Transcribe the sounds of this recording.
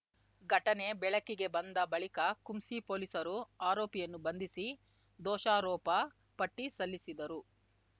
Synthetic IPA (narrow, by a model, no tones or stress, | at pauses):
ɡʱɐʈɐne̞bɛɭɐkːiɡe̞bɐnd̪ɐbɐɭikɐkumsiːpoːlisɐɾuaːɾɔːpijɐnːubɐnd̪isi | d̪ɔːʃaːɾɔːpɐ | pɐʈːisɐlːisid̪ɐɾu